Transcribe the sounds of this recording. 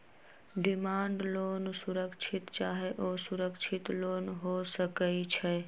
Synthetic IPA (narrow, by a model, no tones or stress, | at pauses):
ɖɪmaːɳɖloːnsuɾəkt͡ʃʰɪt̪t͡ʃaːɦeʔoːsʊɾəkt͡ʃʰɪt̪lonɦosəkəit͡ʃʰɛ